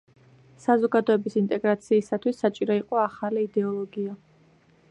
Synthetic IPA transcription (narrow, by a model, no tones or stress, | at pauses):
sazɔɡad̪ɔɛbisint̪ʼɛɡɾat̪sʰiːsat̪ʰwisːat͡ʃʼiɾɔiqʼɔaχaliːd̪ɛɔlˠɔɡia